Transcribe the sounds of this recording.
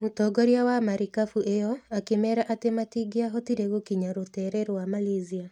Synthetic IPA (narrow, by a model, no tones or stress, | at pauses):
utɔɡɔɾjawamaɾikafuʔejɔakemɛɾaʔatematiɡeaɦɔtiɾeɣokiɲaɾotɛɾɛɾowamalezia